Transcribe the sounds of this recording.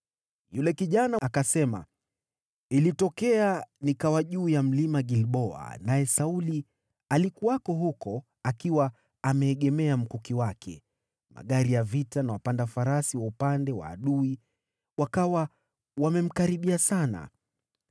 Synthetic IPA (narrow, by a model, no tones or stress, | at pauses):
julɛkiʄanakasɛma̰ | ilitɔkɛanikawaʄuːjam̩limaɠilɓɔa̰najɛsauli | alikuakɔɦukɔ | akiwa | amɛːɠɛmɛam̩kukiwakʰɛ̰ | ma̰ɠaɾijavitanawapandafaɾasiwaupandɛwa̰ːɗui | wakawa | wamɛm̩kaɾiɓiasana̰